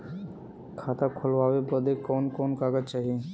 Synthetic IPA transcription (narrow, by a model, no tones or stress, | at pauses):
kʰaːt̪akʰʊlʋaːʋebəd̪ekɔːnkɔːnkaːɡət͡ʃaːɦiẽ